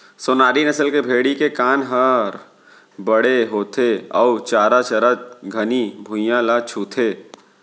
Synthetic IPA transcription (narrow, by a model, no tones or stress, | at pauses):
sonaːɾinɐsəlkebʱeːɽikekaːnɦɐɾ | bɐɽeɦoːt̪ʰeɔ̰ʊt͡ʃaːɾat͡ʃɐɾad͡ʒɡʱɐnibʱʊ̃jãlaːt͡ʃʰuːt̪ʰeː